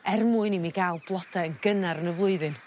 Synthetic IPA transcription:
ɛrmuːɨnimiɡalˠb̥lˠɔdaənɡ̥ənaɾənəvlˠʊɨðɨn

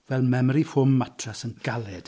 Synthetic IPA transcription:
vɛlˠmɛmɾifʊmːatʰrasənɡ̥alˠɛd̥

